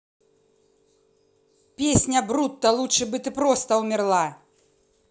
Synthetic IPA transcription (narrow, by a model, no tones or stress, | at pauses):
pʲesʲnʲɐbɾut̪ːɐlˠutʂɨbɨt̪ɨpɾɔst̪ɐwmʲirlˠa